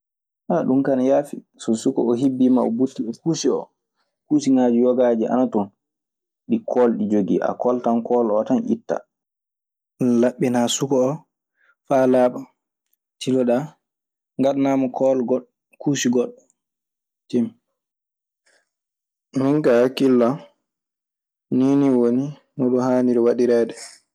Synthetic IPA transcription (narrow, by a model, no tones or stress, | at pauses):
ʔaɗumkanajaːfi | sɔsukɔ̰ɔɦibːima̰ɔbutːiɓɛkuːsiɔ̰ | kusiŋad͡ʒujɔɡad͡ʒiʔa̰natɔn | ɗikʰɔlɗid͡ʒoɡiʔa̰kɔltankɔlɔtanʔḭtːa̰ | laɓːinasukɔɔ | falaːɓa | tʰilɔɗa | ŋɡaɗnamɔkʰɔlɡɗ | kusiɡɔɗɔ | temi | miŋkahkilːa | niːniwoni | nɔɗɔhaːniɾɛwaɗiɾaːɗɛ